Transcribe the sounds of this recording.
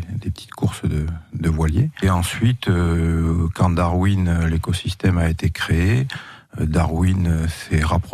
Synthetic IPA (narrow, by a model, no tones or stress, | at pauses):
d̪epə̥t̪ʰi̥t̪kʰuʁsd̪əd̪əvwaljeeɑ̃sɥit̪ø | kɑ̃d̪aʁwinlekɔsist̪ɛmaet̪ekχee | d̪aʁwinsɛʁapχ